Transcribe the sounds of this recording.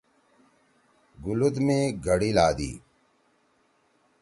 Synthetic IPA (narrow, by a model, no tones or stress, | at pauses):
ɡʊlud̪mẽːɡʱəɽiːlaːd̪ḭː